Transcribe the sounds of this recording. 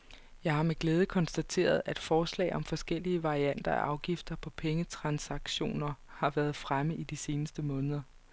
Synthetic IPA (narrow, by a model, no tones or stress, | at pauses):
jɑ̈ɪhɑ̈me̝ɡ̥leːð̞ˠəkʰɒ̽nsd̥æt͡sʰe̝̰ːɐð̞ˠæd̥fɒːslɛ̰ɪʔɒ̽mfɒ̽sɡ̥el̰iəʋɑ̈ʁiæn̰d̥ɐæ̰ʔɑ̈ʊɡ̥ifd̥ɐpʰɒ̽pʰeŋət͡sʰʁɑ̈nsɑ̈ɡ̥ɕo̝̰ːnɐhɑ̈ʋæːɐð̞̩ˠfʁaməð̩ˠid̥ise̝ːnəsd̥əmɔ̽ːnəðˠɐ